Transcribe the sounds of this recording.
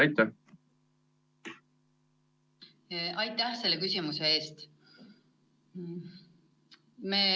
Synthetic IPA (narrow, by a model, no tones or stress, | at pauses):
ɑjt̪ːæ | ʔɑjt̪ːˑæhse̞lːekysʲimusee̞ːst̪ | meː